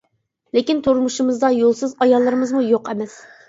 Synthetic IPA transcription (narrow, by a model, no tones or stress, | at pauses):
lekʲint̪ʰoɾmuʃumɨzd̪ɑjolˠsɨzɑjɑlˠːɨɾɨmɨzmujoqʰɛmɛs